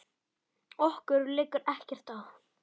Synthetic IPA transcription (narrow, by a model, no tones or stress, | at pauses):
ɔhkʏɾlɪkʏɾɛhcɛr̥t̪awf